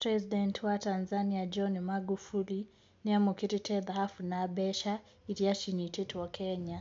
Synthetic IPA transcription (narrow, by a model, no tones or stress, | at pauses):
pɾɛzidɛntwatanzaniad͡ʒɔnmaɡufuli | niamukiɾitʰɛðahafunabɛʃa | iɾiaʃinititwɔkʰɛɲa